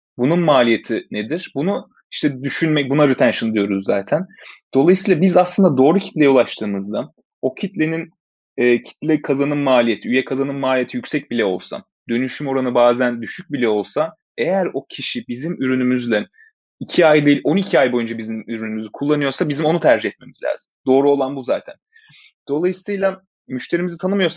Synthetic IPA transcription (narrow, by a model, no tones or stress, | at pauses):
bununmaːlʲije̞t̪ʰined̪iɾ̥bunu | iʃt̪ʰɛd̪yʃynmɛcbunaɾit̪ʰænʃɯnɯd̪ijo̞ɾuzːaːt̪ʰænd̪̥o̞lˠajɯsiːlˠabizaslˠɯnd̪ad̪o̞ːɾucʰit̪lʲeɛolˠaʃt̪ʰɯːmɯzd̪a | o̞cʰit̪lʲe̞nin | ɛːcʰi̥t̪lʲɛkʰazanɯmmaːlʲije̞t̪ʰiyjɛkʰazanɯmmaːlʲijet̪ʰijycʲsɛc̚bilʲɛo̞lˠsa̰ | d̪̥ø̞nyʃymo̞ɾanɯbaːzænd̪yʃyc̚bilʲɛo̞lˠsa | e̞jæɾo̞cʰiʃibizimyɾynymyzlʲɛ | icʰiajd̪eilʲo̞nicʰiajbo̞jund͡ʒabizimyɾynymyzykʰulˠːanɯjo̞ɾsabizimo̞nut̪ʰæɾd͡ʒihɛt̪̚me̞mizlʲa̰ːzimd̪o̞ːɾuo̞lˠanbuzaːt̪ʰæ̰n | d̪̥o̞lˠajɯsɯjlˠa | myʃt̪ʰe̞ɾimizit̪ʰanɯmɯjo̞ɾsa